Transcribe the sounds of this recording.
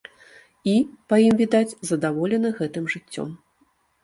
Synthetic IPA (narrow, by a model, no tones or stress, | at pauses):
ipɐjimvʲid̪ad͡zʲzɐd̪avɔlʲɛnɐɣɛt̪ɨmʐɨt͡sʲːɔ̰m